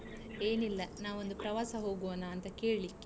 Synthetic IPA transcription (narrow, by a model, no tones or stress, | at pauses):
eːnilːɐnaːʋond̪upɾɐʋaːsɐɦo̞ːɡuʋɐnaːnt̪ɐkeːɭlikːe